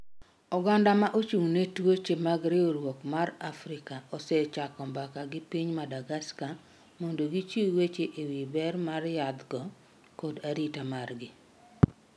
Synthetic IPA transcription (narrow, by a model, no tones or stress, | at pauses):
ɔɡandamaʔot͡ʃuŋnetwot͡ʃemaɡɾɪoɾwokmarafɾɪkaɔsɛt͡ʃakɔmbakaɡɪpiɲmadaɡaska | mɔndoɡit͡ʃiwet͡ʃeʔewibɛrmarjad̪ɡɔ | kodaɾitamarɡɪ